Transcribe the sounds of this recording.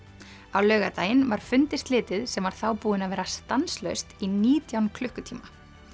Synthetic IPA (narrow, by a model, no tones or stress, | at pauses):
awlœːɣat̪aːjɪnvaɾ̥fʏnt̪ɪst̪lɪːt̪ɪðsɛmvaɾ̥θaːwpuːðɪnavɛːɾast̪anslœ̰ɥst̪iniːt̪jawnkʰlʏhkʏt̪ʰiːma